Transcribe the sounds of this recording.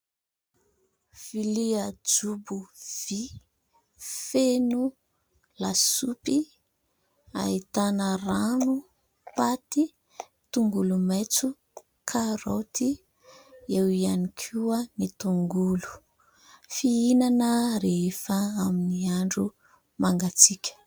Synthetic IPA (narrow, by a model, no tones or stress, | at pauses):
v̥iliəd͡zubuv̥i | fenu | lasupi | a̰it̪anəranu | pat̪i | t̪uŋɡulumajt͡su | kʰaɾot̪i | ewianikʰuamit̪uŋɡulu̥ | fiinanəɾeefəaminiaɳɖ͡ʐu | maŋɡat͡sikʲə̥